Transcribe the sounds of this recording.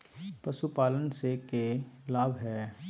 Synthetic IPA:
pəsupaːlənsekelaːbʱɦɛː

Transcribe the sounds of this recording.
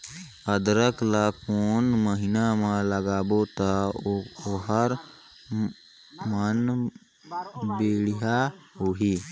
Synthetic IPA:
əd̪ɾəklakoːnməɦɪnamãləɡaːbot̪a | oɦəɾ | mən | beːɽijaɦuɦiː

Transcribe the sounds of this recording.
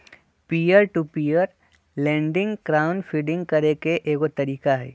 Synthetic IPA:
pijəɾʈupiːjəɾ | lɛ̃ːɳɖɪ̃ŋɡkɾaːʊnfʰiɖɪ̃ŋɡkɐɾekeʔeːkot̪ɐɾiːkaɦɛ̰ː

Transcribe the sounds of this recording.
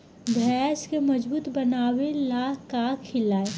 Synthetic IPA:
bʱɛːskemɐd͡ʒbuːt̪bɐnaːwelaːɦkakʰːɪlaːe

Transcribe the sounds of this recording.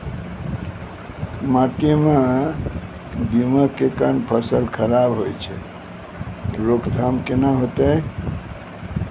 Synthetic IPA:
maʈime | biməkekanpʰəsəlkʰəɾabɦojt͡ʃʰɛ̰ | ɾokʰd̪ʱamkenaɦot̪ə

